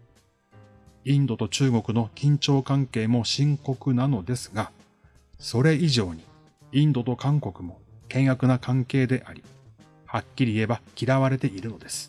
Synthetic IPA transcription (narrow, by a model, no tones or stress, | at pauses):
ĩnd̪o̞t̪o̞t͡ɕɨːɡo̞kɯ̟no̞kʲĩɲ̟t͡ɕo̞ːkãŋke̞ːmo̞ɕĩŋko̞kɯ̟nano̞d̪e̞sɨ̥ɡa | so̞ɾe̞iʑo̞ːɲ̟i | ĩnd̪o̞t̪o̞kãŋko̞kɯ̟mo̞kẽ̞ɰ̃jakɯ̟nakãŋke̞ːd̪e̞ʔaɾʲi | hakʲːiɾʲiːe̞bakʲiɾaβaɾe̞t̪e̞ʔiɾɯ̟no̞d̪e̞sɨ̥